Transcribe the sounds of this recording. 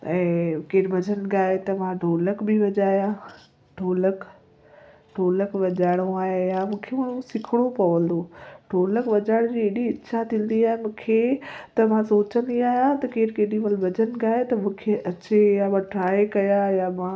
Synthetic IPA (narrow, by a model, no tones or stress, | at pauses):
ɛ̃ːkeːɾbʱɐd͡ʑənɡaːet̪ɐmãɖʱoːləkbʱɪʋɐd͡ʑaːjã | ɖʱoːlək | ɖʱoːləkʋɐd͡ʑaːɪɽ̃oaːɦejamũːkʰemaːɽũsɪkʰɪɽ̃opɐʋə̃nd̪oːɖʱoːləkʋɐd͡ʑaːɪɽ̃d͡ʑiːeːɗiɪʃʰat̪ʰĩːn̆d̪iaːɦemũːkʰet̪ɐmãsoːt͡ɕə̃nd̪iaːjãt̪ɐkeːɾkeːɗĩʋɐlbʱɐd͡ʑənɡaːet̪ɐmũːkʰeʔɐt͡ɕejamãʈɾaːekɐjajamã